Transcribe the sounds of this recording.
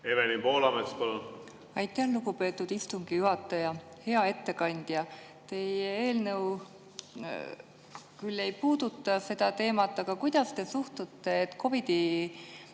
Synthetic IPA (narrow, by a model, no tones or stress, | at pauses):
evenimpo̞ːlɑmespɑlun | ɑjt̪ːˑɑnluɡupe̞ːt̪ːˑud̪̥ist̪uŋɡ̥ijuɦɑt̪ːˑɑjɑhe̞ɑe̞t̪ːe̞kɑnʲd̪̥jɑ | t̪e̞jee̞ːlnɤw | kylːe̞jpuːd̪̥ut̪ːˑɑse̞d̪̥ɑt̪e̞ːmɑt̪ːˑɑɡ̥ɑkujd̪̥ɑst̪e̞suht̪ut̪ːe̞ːt̪ːˑkʰo̞vid̪̥i